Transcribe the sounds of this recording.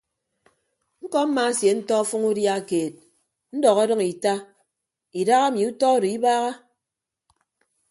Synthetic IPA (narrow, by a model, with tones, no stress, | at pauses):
ŋ̩˦kɔ˦m̩˦ma˨˦sje˨n̩˦tɔ˦fu˦ŋu˦dja˦˨keː˨t̚ | n̩˦dɔ˨ɣe˦dʌ˦ŋi˨ta˦ | i˨da˦ɣa˦mi˨u˦tɔ˦do˨i˦baː˦ɣa˦